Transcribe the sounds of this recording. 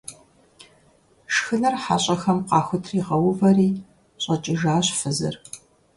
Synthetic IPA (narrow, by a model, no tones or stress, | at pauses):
ʂxɨnɐrħa̰ːɕʼɐxɐmqɑːxʷʊtʰriːʁɐwʊvɐriː | ɕʼɐt͡ʃʼɪʒaːɕfɨzɨ̰r